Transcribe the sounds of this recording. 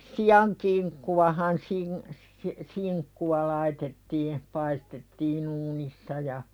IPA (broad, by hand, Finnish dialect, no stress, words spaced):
siɑŋ kiŋkːuwɑhɑn sin si siŋkːuwɑ lɑitetːiː pɑistetːiːn uːnisːɑ jɑ